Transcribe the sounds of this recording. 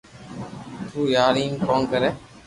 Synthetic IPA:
t̪uːjaːɾiːŋkoːnkəɾɛː

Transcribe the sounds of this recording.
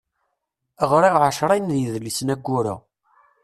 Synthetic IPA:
əʁɾiʁʕaʃɾˤɑjnðjəðlisnæɡːʊɾæ̰

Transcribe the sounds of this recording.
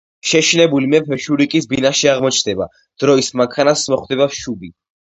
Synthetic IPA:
ʃɛʃinɛbulimɛpʰɛʃuɾikʼisbinaʃiaʁmɔt͡ʃʰnd̪ɛba̰ | d̪̥ɾɔismaŋkʰanasmɔχd̪ɛbaʃubi

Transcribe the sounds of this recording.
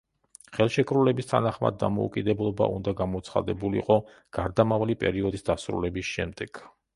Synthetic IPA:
χɛlˠʃɛkʼɾulɛbist̪ʰanaχma̰d̪ːa̰mɔṵkʼid̪ɛblˠɔba̰ʔṵnd̪aɡamɔt̪sʰχa̰d̪ɛbuliqʼɔ | ɡ̥aɾd̪amavalipʼɛ̰ɾiɔd̪isd̪asɾṵlɛbisʃɛmd̪ɛɡ̥

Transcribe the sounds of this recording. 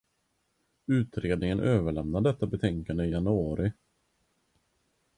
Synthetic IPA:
ʉ̟ːt̪ɾeːd̪nɪŋənʔøːvəɭɛmnaɖ̪ɛt̪ːabɛt̪ʰɛŋkand̪əɪjanɵɑːɾɪ

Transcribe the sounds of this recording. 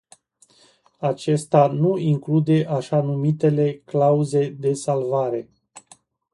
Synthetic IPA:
at͡ʃe̞st̪anuiŋklud̪e̞ʔaʃanumit̪e̞le̞klauze̞d̪e̞salvaɾe̞

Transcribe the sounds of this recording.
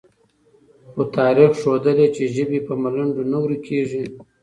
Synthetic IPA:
xot̪ɑːɾixʂod̪əlet͡ʃeʒəbipəmalaɳɖonawɾikʰeʐi

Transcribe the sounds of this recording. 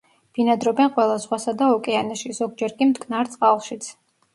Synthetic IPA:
b̥inad̪ɾɔbɛnqʼwɛlˠazʁwasad̪aɔkʼɛanɛʃizɔɡ̚d͡ʒɛɾkʼimd̪kʰʼnaɾt̪sʼqʼalˠʃit̪sʰ

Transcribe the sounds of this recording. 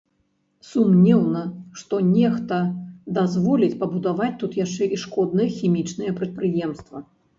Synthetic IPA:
sumnʲɛwnɐʂt̪ɔnʲɛxt̪ɐd̪azvɔlʲit͡sʲpɐbud̪avat͡sʲt̪ut̪jaʂt͡ʂɛʔiʂkɔd̪nɨjɐxʲimʲit͡ʂnɨjɛpɾɐt̪̚pɾɨjɛmst̪vɐ

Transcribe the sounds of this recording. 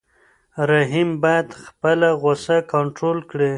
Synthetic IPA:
ɾaɦimbɑjad̪xpəlaɣosakaɳʈɾolkɽe

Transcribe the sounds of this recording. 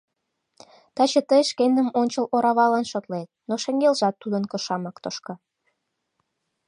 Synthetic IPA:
t̪ɑt͡ɕə̆t̪əjʃkend̪ə̆monʲt͡ɕəloɾɑβɑlɑnʃot̪let̪̚noʃĕŋɡelʒɑt̪ːud̪ənkə̆ʃɑmɑkt̪oʃkɤ̆

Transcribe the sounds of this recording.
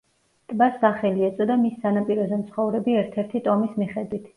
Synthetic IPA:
t̪ʼbasːaχɛliɛt̪sʼɔd̪amisːanapʼiɾɔzɛmt̪sʰχɔvɾɛbiɛɾt̪ʰɛɾt̪ʰit̪ʼɔmismiχɛd̪wit̪ʰ

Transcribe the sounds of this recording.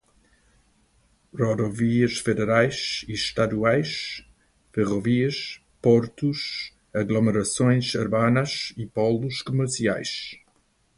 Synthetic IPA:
rɔd̪ɔviəʃfed̪eɾajʃiʃt̪ad̪uajʃ | feʁɔviəʃ | pɔɾt̪uʃ | aɡloməɾasõj̃saɾbanɐʃipɔluʃkoməɾsia̰jʃ

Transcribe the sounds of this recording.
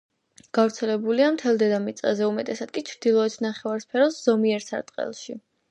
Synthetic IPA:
ɡ̥avɾt̪sʰɛlɛbuliamt̪ʰɛlˠd̪ɛd̪amit̪sʼazɛumɛt̪ʼɛsad̪̥̚kʼit͡ʃʰɾd̪ilˠɔɛt̪ʰnaχɛvaɾspʰɛɾɔsz̥ɔmiɛɾsa̰ɾt̪ʼqʼɛ̰lˠʃi

